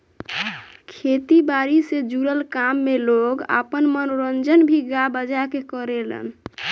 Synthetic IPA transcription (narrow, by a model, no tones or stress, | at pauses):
kʰet̪ibaɾised͡ʒuɾəlkamːeloɡa̰pənmənoɾənd͡ʒənbʱiɡabəd͡ʒakekəɾelə̰n